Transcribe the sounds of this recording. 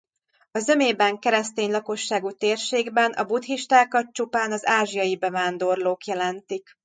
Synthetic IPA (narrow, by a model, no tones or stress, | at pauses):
ɒzø̞meːbɛŋkɛɾɛst̪eːɲlɒko̞ʃːaːɡut̪eːrʃeːɡbɛnʔɒ̰but̪hiʃt̪aːkɒt̪t͡ʃupaːnɒzaːʒijɒjibɛvaːnd̪o̞rloːkjɛlɛnt̪ik